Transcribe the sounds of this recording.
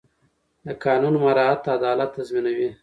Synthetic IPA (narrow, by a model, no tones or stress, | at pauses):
d̪əkɑːnunmaɾɑat̪ːad̪ɑlat̪ːazminawi